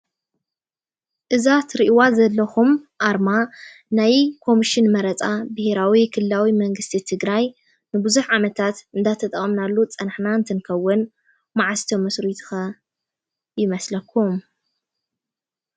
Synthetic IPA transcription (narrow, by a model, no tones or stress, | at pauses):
ʔɨzat̪ɾiʔwazɐlːɐxumʔaɾma | najkʰo̞miʃɪnmɐɾɐt͡sʼabɨheɾawikʰɨlːawimɐŋɡɨst̪ʰit̪ʰɨɡɾaj | nɨbɨzuħʕamɐt̪ʰat̪ɨnd̪at̪ʰɐt̪ʼɐχʼɐmnalːut͡sʼɐnħnant̪ʰɨnkʰɐwːʊn | maʕast̪ʰomɐsɾit̪ʰɨ̥xɐ | jɪmɐslɐkʰːum